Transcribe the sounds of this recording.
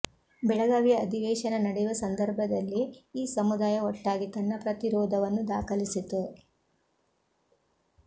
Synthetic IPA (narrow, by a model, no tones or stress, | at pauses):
bɛɭɐɡaːʋijɐːd̪ʱiʋɛːʃɐnɐnɐɽɛjuʋɐsɐnd̪ɐɾbʱɐd̪ɐlːiːsɐmud̪aːjɐɔʈːaːɡit̪ɐnːɐpɾɐt̪iɾɔːd̪ɐʋɐnːud̪aːkʰɐlisit̪ːu